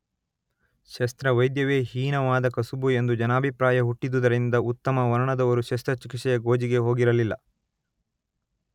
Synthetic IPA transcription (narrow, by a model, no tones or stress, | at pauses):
ʃɐst̪ɾɐʋɐjd̪jɐʋeːɦiːnɐʋaːd̪ɐkɐsubue̞nd̪ud͡ʒɐnaːbʱipɾaːjɐɦuʈːid̪ud̪ɐɾind̪ɐut̪ːɐmɐʋɐɾɐɳɐd̪ɐʋɐɾuʃɐst̪ɾɐt͡ʃikiʈʂɛjɐɡo̞ːd͡ʒiɡe̞ɦoːɡiɾɐlilːɐ̰